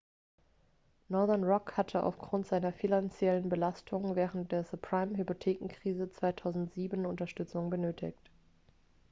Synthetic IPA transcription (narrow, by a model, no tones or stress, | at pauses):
nɔɐðɛnʁɔkhatʰəʔa̰ʊfɡ̥ʁʊntz̥aɪnɐfinant͡sjɛlənbəlastʰʊŋvɛːʁənt̚d̥eːɐsupʁ̥aɪmɦypotʰeːkŋ̩kʁ̥iːzət͡sv̥aɪtʰaʊzn̩tz̥iːbən̩ʊntɐʃtʏt͡sʊŋbənøːtʰɪ̰çt